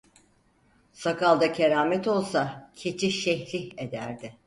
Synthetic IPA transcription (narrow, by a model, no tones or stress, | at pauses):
sakalˠd̪acʰeɾaːmɛt̪o̞lˠsacʰe̞t͡ʃʰiʃɛçlʲiçe̞d̪æɾd̪ɪ